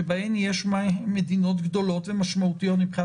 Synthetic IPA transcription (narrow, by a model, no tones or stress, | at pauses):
ebahemjeʃmamːed̪ino̞t̪ɡd̪o̞lo̞t̪vemaʃmaut̪ijo̞t̪mipχi